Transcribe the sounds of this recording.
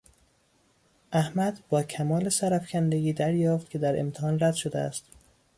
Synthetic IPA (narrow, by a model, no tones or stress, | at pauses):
ʔæhmæd̪bɒːcʰæmɒːlesæɾæfcʰʲænd̪eɡiːd̪æɾjɒːft̪̚kʲʰe̞d̪æɾḛmt̪ʰehɒːnræd̪̥ʃo̞d̪eæ̰st̪